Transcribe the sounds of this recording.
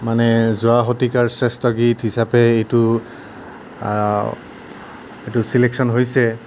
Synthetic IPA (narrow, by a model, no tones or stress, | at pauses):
manɛzʊaɦotikaɹsɹɛstɔɡitɦisapɛejtʊ | etʊsileksɔnɦojsɛ